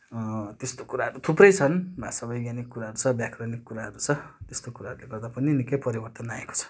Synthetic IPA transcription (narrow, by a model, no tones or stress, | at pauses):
t̪est̪okuɾaɦʌɾut̪ʰuprʌjt͡sʰʌnbʱasabʌjɡjanikːuɾaɦʌɾut͡sʰʌbjakrʌnikːuɾaɦʌɾut͡sʰʌt̪est̪okuɾaɦʌɾuleɡʌrd̪apʌninikʌjpʌɾibʌrt̪ʌnaeko̥t͡sʰʌ̥